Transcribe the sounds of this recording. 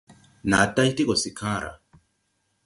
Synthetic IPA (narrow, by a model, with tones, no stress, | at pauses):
na˨˦ta˦i˦ti˦kɔ˨si˨kʰã˦˨ɾa̰˨